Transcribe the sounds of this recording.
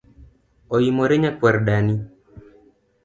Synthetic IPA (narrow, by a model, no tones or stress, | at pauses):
ɔimɔɾɛɲakwaɾɗani